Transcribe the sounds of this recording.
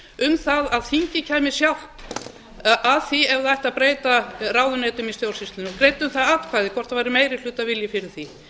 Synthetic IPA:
ʏmθaðaðθiɲcɪcʰaːjmɪsjawhp | ʔaðθiɛvðajht̪aðpɾeːjt̪araːwðʏnɛːt̪ʏmist̪jowl̥sist̪ɪnɪɔkɾeːjt̪ʏmθaðat̪kʰvaːðɪkʰvɔr̥t̪avaːɾɪmeːjɾɪl̥ʏːt̪avɪljɪfɪɾɪɾ̥θi

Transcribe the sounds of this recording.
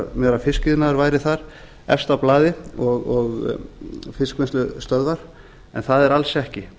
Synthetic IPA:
mjœːɾafɪskɪðɪnaaɾvaːjɾɪθaɾ | ɛ̰fst̪awplaːðɪɔɣɔɣ | fɪskvɪnst̪lʏst̪œðvaɾ̥ | ɛ̰nθaðɛɾalsɛhcɪ

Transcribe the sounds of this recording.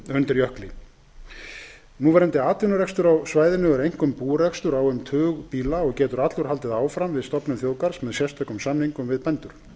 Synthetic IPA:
ʏnt̪ɪɾjœhklɪ̰ | nuvɛɾɛnt̪ɪaːt̪vɪnʏɾɛkst̪ʏɾawsvaːjðɪnʏvɛɾejŋ̥kʏmpuːɾɛkst̪ʏɾawɛmt̪ʰœːɣpiːlaɔɣcɛːt̪ʏɾat̪lʏɾ̥hal̪t̪ɪðaːwfɾamvɪðst̪ɔpnʏmθjoːwkaɾ̥smɛðsjɛst̪ʰœkʏmsamniŋkʏmvɪðpɛnt̪ʏɾ̥

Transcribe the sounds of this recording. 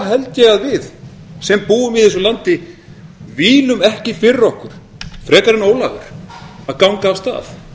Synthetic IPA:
ɦɛlc̪ɛɣaðvɪð | sɛmpuːʏmɪðensʏlant̪ɪ | viːlʏmɛhcɪfɪɾɾɔhkʏɾ̥ | fɾɛːkaɾɪnoːwlaːɣʏ̰ɾ̥aðkawŋkaːwst̪a̰ːθ

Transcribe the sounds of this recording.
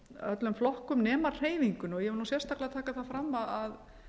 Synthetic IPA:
œt̪lʏmflɔhkʏmnɛːmar̥eːjviŋkʏnɔɣjɛvɪluːsjɛrst̪aklɪat̪ʰaːkaθaðfɾamːaðað

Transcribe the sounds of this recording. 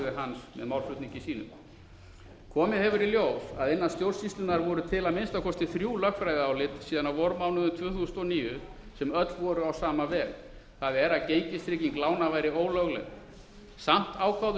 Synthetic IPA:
ðɪɦansmɛ̰ðmawlfʏt̪niɲcɪsiːnʏ̰m | kʰɔːmɪðhɛvʏɾiljowsaðɪnːast̪jowr̥sist̪lʏnaɾvɔɾʏt̪ʰɪlaðmɪnst̪awkʰɔst̪ɪθɾjuːlœkfɾajðɪawlɪt̪siːðanavɔɾʏmaːwnʏðʏmt̪ʰv̥ʏːθusʏnɔniːjʏ | sɛmœt̪lvɔɾʏawsaːmavɛːɣ | θaðɛɾaðcejɲcɪst̪ɾɪciŋklaːwnavaːjɾɪoːwlœɣlɛ̰ɣ | sam̥t̪aːwkʰawð

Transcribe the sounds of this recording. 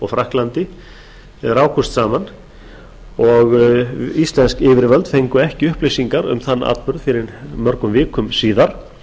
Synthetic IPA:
ɔɣfɾahklant̪ɪ | raːwkʰɔst̪saːman | ɔɣist̪lɛnskɪːvɪɾvœlt̪fejŋkʏɛhcɪʏhplejsiŋkaɾʏ̰mθanːa̰t̪pʏɾðfɪɾɪɾmœɾkʏmvɪːkʰʏmsiːðaɾ̥

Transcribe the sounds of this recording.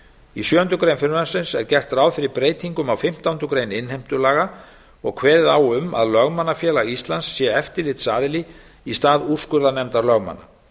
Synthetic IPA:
isjœːhʏnt̪ʏkɾejnfɪɾvansɪnsɛɾcɛr̥t̪ɾaːwðfɪɾɪɾpɾeːjt̪ʰiŋkʏmawfɪm̥t̪awʏnt̪ʏkɾeːjnɪnhejm̥t̪ʏlaːɣa | ɔ̰ɣkʰvɛːɾɪðaːwʏma̰ðlœɣmanːafjɛːlaist̪lansːjɛɛft̪ɪɾlɪt̪saːðɪli | ist̪aːður̥skʏɾðanɛmt̪aɾlœɣma̰nːa̰

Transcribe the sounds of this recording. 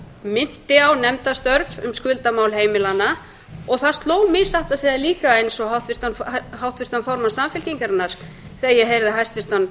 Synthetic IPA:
mɪn̥t̪ɪawnɛmt̪ast̪œɾvʏ̰mskʏlt̪amaːwlheːjmɪlana | ɔɣθast̪loːwmɪsaht̪aseðaliːkaejnsɔɦawht̪vɪr̥t̪anfhawht̪vɪr̥t̪anfɔɾmasamfɪlciŋkaɾnːaɾ̥ | θɛajɛɦejɾðɪɦajst̪vɪr̥t̪an

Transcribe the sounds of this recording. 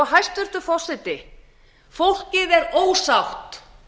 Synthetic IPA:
ɦajst̪ʏr̥t̪ʏfɔsɪt̪ɪ | fowl̥cɪðɛɾoːwsawht̪

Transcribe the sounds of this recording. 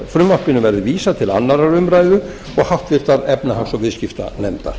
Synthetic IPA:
fɾʏmvahpɪnʏmvɛɾðɪviːsat̪ʰɪla̰nːaɾaɾʏmɾajðʏ | ɔɣhaht̪vɪɾ̥t̪aɾɛpnahansɔvɪðscɪft̪a̰nɛmt̪a̰ɾ̥

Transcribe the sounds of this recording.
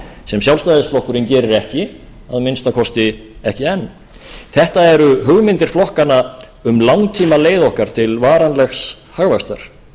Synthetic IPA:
sɛmsjawlst̪ajðɪsflɔhkʏɾɪncɛːɾɪɾɛhcɪ | aðmɪnst̪akʰɔst̪ɪɛhcɪɛnː | θɛht̪aɛɾʏɦʏɣmɪnt̪ɪɾ̥flɔhkanːa | ʏmlawŋt̪ʰiːmaleːjðɔhkaɾ̥t̪ʰɪlvaːɾanlɛxs | haɣvast̪aɾ̥

